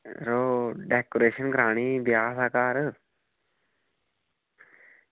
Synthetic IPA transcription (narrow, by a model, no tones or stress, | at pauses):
ɾoɖeːkoɾeːʃənɡɾaːɳ̃iːbjaːsaːkaːɾ